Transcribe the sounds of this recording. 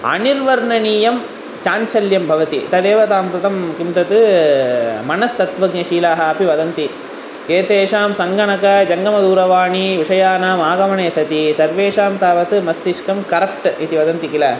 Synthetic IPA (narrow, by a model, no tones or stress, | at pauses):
ɐ̰niɾʋɐɾɳɐniːjɐm | t͡ʃaːɲt͡ʃɐljɐmbʱɐʋɐt̪ḭt̪ɐd̪eːʋɐt̪aːmpɾut̪ɐmkimt̪ɐt̪ɨ | mɐnɐst̪ɐt̪ʋɐɡɲɐʃiːlaːɦɐɐpiʋɐd̪ɐnt̪i | keːt̪eːʂaːmsɐŋɡɐɳɐkɐd͡ʒɐŋɡɐmɐd̪uːɾɐʋaːɳiʋiʂɐjaːnaːmaːɡɐmɐɳeːsɐt̪isɐɾʋeːʂaːmt̪aːʋɐt̪ɨmɐst̪iʂkɐmkɐɾɐp̚ʈit̪iʋɐd̪ɐnt̪ikilɐ